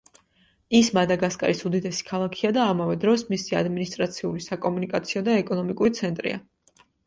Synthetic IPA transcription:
ismad̪aɡaskʼa̰ɾisud̪id̪ɛsi̥kʰalˠakʰiad̪aːmavɛd̪ɾɔsmisia̰d̪minist̪ʼɾat̪sʰiulisakʼɔmunikʼat̪sʰiɔd̪aɛkʼɔnɔmikʼuɾit̪sʰɛnt̪ʼɾḭa̰

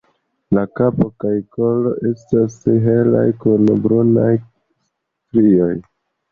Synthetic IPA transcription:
lakapo̞kajko̞lo̞ʔe̞stasɦe̞la̰jkunbɾunaj | s | tɾio̞j

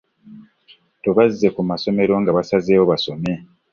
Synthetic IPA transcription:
toβazːe̞kumaso̞me̞ɾo̞ŋɡaβasazeːwoβaso̞me̞

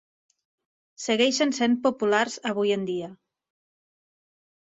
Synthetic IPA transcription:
seɣɛjʃensem̚populaɾzaβujend̪ia

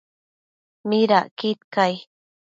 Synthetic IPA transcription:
miɾaʔkit̪kaj

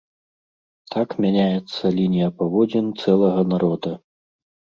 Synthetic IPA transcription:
t̪ʰakmʲanʲajɛt̪sːɐlʲinʲijɐpavɔd͡zʲɛnt̪sɛlˠɐɣɐnaɾɔd̪ɐ

